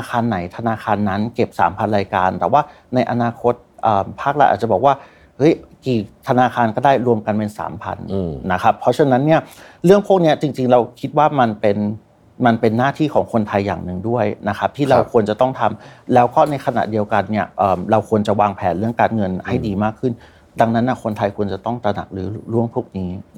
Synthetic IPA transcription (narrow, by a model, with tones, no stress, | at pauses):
a˧kʰaː˧nːa˩˦jt̪ʰa˧naː˧xʰaː˧nːa˦˥nke˨˩p̚sa̰ː˩˦mpʰa˧nɾaː˧jkaː˧nt̪ɛː˨˩waː˥˩ | na˧jʔa˧naː˧kʰo˦˥t̪̚ʔəː˨˩mpʰaː˥˩k̚la˦˥ʔaː˨˩t̚t͡ɕa˨˩bɔː˨˩k̚waː˥˩ | hɤ˦˥jkiː˨˩t̪ʰa˧naː˧xʰaː˧nkɔː˥˩daː˥˩jɾu˧əmka˧npe˧nsa̰ː˩˦mpʰa̰˧nː˧a˦˥kʰa˦˥pʰːɔ˦˥t͡ɕʰa˧na˦˥nːi˥˩ɐɾɯ˥˩əŋpʰu˥˩k̚ni˦˥ɐt͡ɕi˧ŋt͡ɕi˧ŋɾa˧wkʰi˦˥t̪̚waː˥˩ma˧npe˧n | ma˧npe˧nːaː˥˩t̪ʰiː˥˩kʰɔː˩˦ŋkʰo˧nt̪ʰa˧jːa̰ː˨˩ŋnɯ˨˩ŋdu˥˩əjna˦˥kʰa˦˥p̚t̪ʰiː˥˩ɾa˧wkʰu˧ənt͡ɕa˨˩t̪ɔ˥˩ŋt̪ʰa˧mlɛː˦˥wkɔː˥˩na˧jkʰa˧na̰˨˩ʔdi˧əwka˧nːi˥˩ɐʔɤː˨˩mɾa˧wkʰu˧ənt͡ɕa˨˩waː˧ŋpʰɛː˩˦nɾɯ˥˩əŋkaː˧nŋɤ˧nha˥˩jdiː˧maː˥˩kʰːɯ˥˩n | da˧ŋna˦˥nːʔa˧˥˩kʰo˧nt̪ʰa˧jkʰu˧ənt͡ɕa˨˩t̪ɔ˥˩ŋt̪ɾa˧na̰˨˩k̚ɾɯː˩˦ɾu˥˩əŋpʰuː˥˩k̚niː˦˥